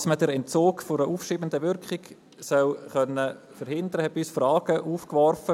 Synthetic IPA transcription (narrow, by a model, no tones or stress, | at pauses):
smədɛɾɛnt͡soːkfʊɾəʔuːfʃiːbəndəʋʏɾkχɪk | sœlχœnːə | fəɾhɪnd̪əɾəhɛysfrɑːɡ̥əʔuːfkʋɔrfə